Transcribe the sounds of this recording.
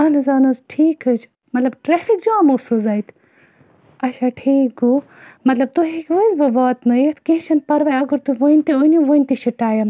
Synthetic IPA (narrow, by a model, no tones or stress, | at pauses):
ɐnɐzɐːnɐzʈʰiːkɨd͡ʒ | mɐt̪lɐbʈɾeːfikd͡ʒuãmosuzɐːit̪ʰ | ɐʃaʈʰiːku | mɐt̪lɐb̚t̪uɦikʋəzbɨʋaːt̪nɐjt̪ʰkẽɦʃɐnpɐɾʋajɐɡəɾt̪uʋoinʲt̪ionuʋoinʲt̪iʃiʈaːjɐn